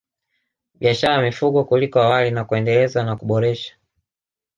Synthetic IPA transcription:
ɓiaʃaɾajamifuɠɔkulikɔawalinakuɛndɛlɛzanakuɓɔɾɛʃḁ

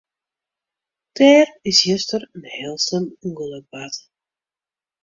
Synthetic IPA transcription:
tɛːrɪsjəstərənhɛːlˠsənuŋɡəlˠək̚bat

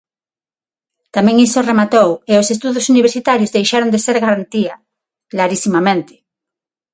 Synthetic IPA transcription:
t̪amɛ̃ŋisoremat̪oweosest̪uðosuniβeɾsit̪aɾjozðejʃaɾõnd̪eseɾɣaɾant̪ia | klaɾisimamẽnt̪ɪ̥

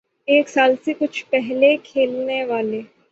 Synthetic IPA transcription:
eːksaːlsekʊt͡ʃʰpɛɦlekʰeːlneʋaːleː

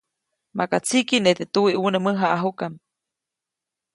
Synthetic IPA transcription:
makat͡sʰikinet̪et̪uiʔunəməɦaʔaɦukam

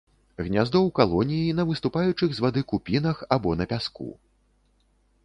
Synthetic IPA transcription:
ɣnʲazd̪ɔwkalˠɔnʲijin̪ɐvɨst̪upajut͡ʂɨɣzvad̪ɨkupʲinɐxabɔnɐpʲaskṵ

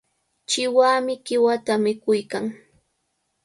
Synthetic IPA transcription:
t͡ʃɪwaːmɪkɪwat̪amɪkʊjkaŋ

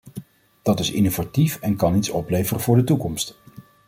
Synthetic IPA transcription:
d̥ɑtɪsɪ̰novatifɛnkɑnitsɔplejvərəvʊːɹdətukɔmst

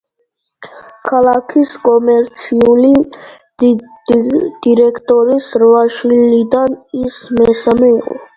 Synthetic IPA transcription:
kʰalˠakʰiskʼɔmɛɾt̪sʰiuli | d̪d̪̥iɾɛkʰt̪ʼɔɾisɾvaʃwilid̪anismɛsamɛiqʼɔ̰

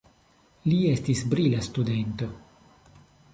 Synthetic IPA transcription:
liestisbɾilastude̞nto̞

